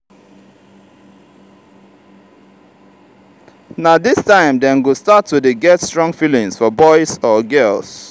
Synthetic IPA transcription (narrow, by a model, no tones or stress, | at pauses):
nadɪstãɪ̃mdɛ̃nɡostatʰːudeɡɛtstɹɔ̃ŋfilĩŋsfɔbɔɪsɔɡɜls